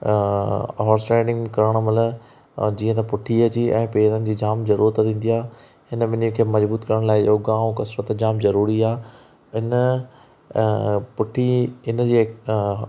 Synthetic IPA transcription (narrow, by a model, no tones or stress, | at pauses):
ɦɔːɾsʈɛ̃ːɖɪ̃ŋɡkɐɾəɽ̃əmɐlə | d͡ʑiːə̃t̪ɐpʊʈʰiəd͡ʑiːʔɛ̃ːpeːɾənɪ̆d͡ʑiːd͡ʑaːmzɐɾuːɾət̪t̪ĩːn̆d̪iaː | hɪnəʋɪnikʰeːmɐzbuːt̪kɐɾəɽ̃laːɪoɡãːũkɐsɾət̪d͡ʑaːmzɐɾuːɾiaː | ɪnə | pʊʈʰiɪnə̆d͡ʑiː